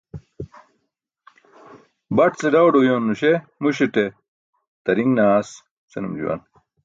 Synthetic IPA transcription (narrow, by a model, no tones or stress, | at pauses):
bɐʈt͡seɖɐwɖojoːnːuɕemuɕeʈe | t̪ɐɾiŋnaːs | t͡senumd͡ʑṵwɐ̰n